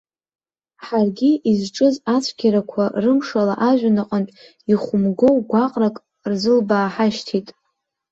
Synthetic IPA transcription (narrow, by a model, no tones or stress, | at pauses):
ħarɡʲiizʈ͡ʂʼɨzat͡sʷʰɡʲaɾakʷʰarɨmʂala̰ʔaʒᶣanaqʼəntʼ | iχʷʊmɡo̞wɡʷaqʼrakʼ | rzɨlbaːħaʃtʰitʼ